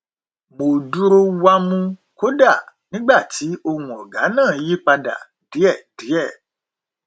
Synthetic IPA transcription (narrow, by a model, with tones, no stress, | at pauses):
mo˨du˦ɾo˧wa˧mũ˧ | ko˦da˦˨nĩ˦ɡ͡ba˦˨ti˨˦o˧hũ˨ɔ˨ɡa˨˦nãː˦˨˦ji˦k͡pa˧da̰˨ | di˨˦ɛ˦˨d̥i˨˦ɛ˦˨